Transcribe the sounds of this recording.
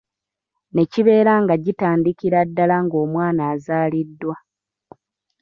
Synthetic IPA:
ne̞ciβe̞ːɾaŋɡaɟitaːndikiɾadːalaŋɡo̞ːmwaːnaːzaːlidːwa

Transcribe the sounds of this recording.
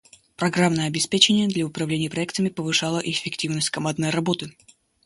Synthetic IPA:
pɾɐɡɾamnəjəɐbʲɪspʲet͡ɕɪnʲɪjəd̪lʲəʊpɾɐvlʲenʲɪjəpɾɐɛkt̪əmʲɪpəvɨʂalˠəʔɪfʲːɪktʲivnəsʲtʲkɐmad̪nəjɾɐbo̞t̪ɨ

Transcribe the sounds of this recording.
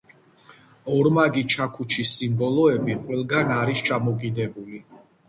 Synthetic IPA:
ɔɾmaɡit͡ʃʰakʰut͡ʃʰisimbɔlɔɛbiqʼwɛlˠɡanaɾist͡ʃʰamɔkʼid̪ɛbuli

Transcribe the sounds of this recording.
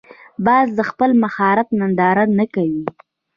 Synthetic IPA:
bɑzd̪əxpəlmaxɑɾɪfnand̪ɑɾanakawi

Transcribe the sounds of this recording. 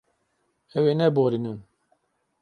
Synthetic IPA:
ɛwenɛboɾinun

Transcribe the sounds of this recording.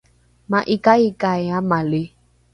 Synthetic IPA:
mãʔikaikaamale

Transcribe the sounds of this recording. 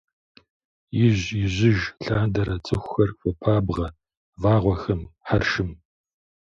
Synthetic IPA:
jɪʑjɪʑɪʒɬaːndɐɾɐt͡sʼɨxʷxɐrfɐpʰaːbʁɐ | vaːʁʷɔxɐmħarʃɨm

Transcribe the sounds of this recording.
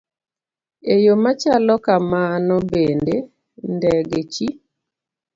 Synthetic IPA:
ejomat͡ʃalɔkamanɔbende | ndɛɡet͡ʃi

